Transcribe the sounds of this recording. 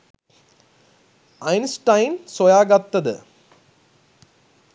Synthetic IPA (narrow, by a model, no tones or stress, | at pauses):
ɐjnsʈɐjnsɔjaːɡat̪ːɐðɨ̰